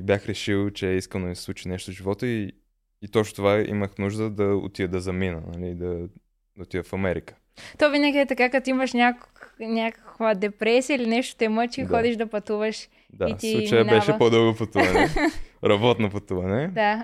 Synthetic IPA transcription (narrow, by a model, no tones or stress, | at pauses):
bjaxɾɛʃilˠt͡ʃɛɛiskənoisslˠut͡ʃinɛʃt̪oʒivɔt̪əi | it̪ɔt͡ʃʃno̥t̪ovaḭməxnuʒd̪əd̪ɐo̰t̪iəd̪ɐzɐminənɐlid̪ɐ | d̪ɐot̪ivəfɐmɛɾikə̥ | t̪ovinəɡʲiɛt̪ɐkakɐt̪oimɐʃnʲaknʲakə̥kvəd̪ɛpɾɛsiəilinɛʃt̪o̥t̪ɛmət͡ʃixɔd̪iʃd̪ɐpɐt̪uvəʃ | d̪aist̪illut͡ʃəjənbɛʃɛpod̪ɤlˠɡopɐt̪uvɐnɛɾɐbɔt̪nopɐt̪uvɐnɛd̪a